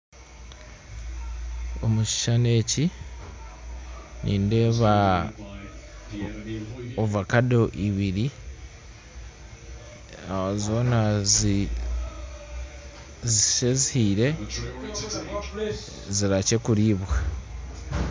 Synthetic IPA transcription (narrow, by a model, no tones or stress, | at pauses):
o̞muʃi̥ʃane̞ci | nʔiːndeβa | ovakado̞ʔiβiɾi | azo̞ːna | ziʃezihiɾe̞ | ziɾace̞kuɾiːβwa